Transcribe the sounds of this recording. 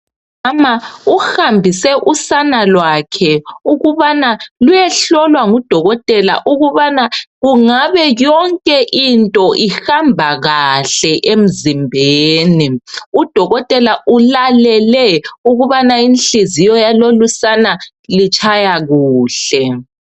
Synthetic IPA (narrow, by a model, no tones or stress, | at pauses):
amauhambʱisɛʔusanalwakʰɛuɣuβanalujɛɬɔlwaŋud̥ʱɔɣɔtʼɛla̰ʔuɣuβanaɣuŋaβɛjɔŋkʼɛʔintʼɔʔixambʱaɣaɬɛʔem̩zimbʱeːniud̥ʱɔɣɔtʼɛlaulalɛlɛuɣuβanainɬizijɔjalolusana | lit͡ʃʼʰajaɣuːɬɛ